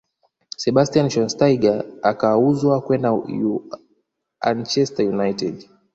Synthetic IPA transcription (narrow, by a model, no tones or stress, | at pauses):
sɛɓastianʃɔnstaiɡaakauzwakwɛndaju | a̰nt͡ʃɛstajunajtɛd